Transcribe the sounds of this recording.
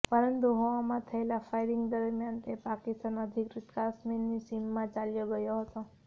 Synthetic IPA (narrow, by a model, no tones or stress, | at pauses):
pəɾənt̪uɦõamãt̪ʰəelafajɾɪŋɡd̪əɾmjant̪epakist̪anəd̪ʱikɾit̪kasmenːisimːãt͡ʃaljoɡəjoɦət̪o